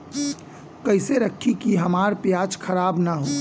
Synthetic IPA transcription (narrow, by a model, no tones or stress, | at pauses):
kəɪseɾəkʰːikiɦəmaːɾpjaːt͡ʃkʰəɾaːbnaɦoː